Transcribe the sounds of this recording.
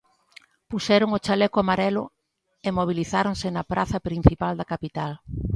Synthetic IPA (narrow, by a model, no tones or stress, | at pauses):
pusɛɾʊŋot͡ʃalɛkoamaɾɛlʊ̰ | emoβ̞iliθaɾoŋsɪnɐpɾaθɐpɾin̟θipald̪ɐkapit̪al